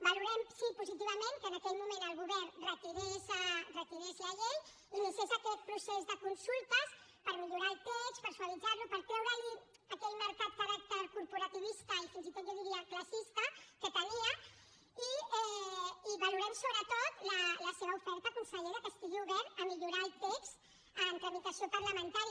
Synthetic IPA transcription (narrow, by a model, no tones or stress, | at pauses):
baluɾɛmsipuzit̪̬iβamẽŋkənakɛlmumẽnəlˠɣuβɛɾrət̪iɾesarət̪iɾeslaʒen | inisezakɛt̪̚pɾusɛzðəkunsulˠt̪əs | pəɾmiʎuɾaːlˠt̪ɛt͡ʃpəɾsualid͡zaɾlupəɾt̪ɾɛwɾəːli | əkɛt̪məɾkat̪̚kaɾak̚t̪eɾkuɾpuɾat̪iβist̪əifinzit̪ot̪d͡ʒaðiɾiaklasist̪əkət̪əniə | iɛiβaluɾansoβɾət̪ot̪lələseβəufɛɾt̪akunsəʎeðəpəst̪iʒuβeɾəmiʎuɾalˠt̪eks | əmt̪anik̪asiopaɾləmənt̪aɾi